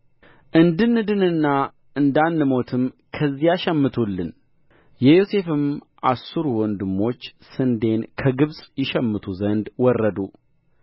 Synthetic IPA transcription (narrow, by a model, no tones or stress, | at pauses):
ʔɨnd̪ɨnːɨd̪ɨnɨnːa | ʔɨnd̪anːɨmo̞t̪ʰɨmkʰəzːijaʃɛmːɨt̪ʰulːɨn | jɛjose̞fɨm | ʔasːuɾuwɔnd̪ɨmːo̞t͡ʃːsɨnd̪e̞nkʰəɡɨβsʼjɪʃɛmːɨt̪ʰuzənd̪wɔrːəd̪u